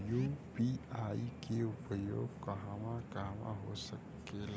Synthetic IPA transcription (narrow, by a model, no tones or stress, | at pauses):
juːpiaːikeʊpəjo̰ːɡkɐɦaʋãkaʋã̰ɦosəkː | el